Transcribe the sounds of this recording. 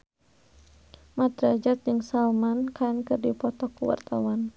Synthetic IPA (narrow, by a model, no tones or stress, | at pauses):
mat̪ɾad͡ʒat̪̚d͡ʒɨŋsalmankankɨrdipɔt̪ɔkuwa̰rt̪awan